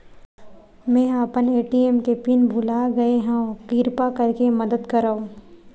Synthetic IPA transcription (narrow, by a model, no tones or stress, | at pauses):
mɛ̃ːəpəneːʈieːmkepinbʱʊlaːɡɐeɦãkiːɾpakɐɾkemɐd̪əd̪kɐɾaõ